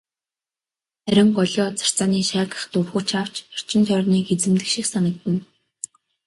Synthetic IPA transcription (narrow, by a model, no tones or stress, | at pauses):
æɾʲɪ̆ŋɢɔɮʲɔːt͡sḁr̥t͡saːniːʃæːkə̆χt̪urxuːt͡ɕʰaw̥t͡ɕɔr̥t͡ɕɪ̆nt̪ʰœrniːket͡sɘ̆mt̪ɘ̆kʃĭksanə̆k̚t̪ɘ̆n